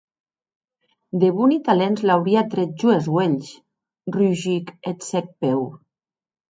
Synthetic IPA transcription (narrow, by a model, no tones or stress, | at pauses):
d̪eβunit̪alenzlawɾiat̪ɾet̪̚ʒuezɣweɲʃ | ryʒiket̪sek̚pew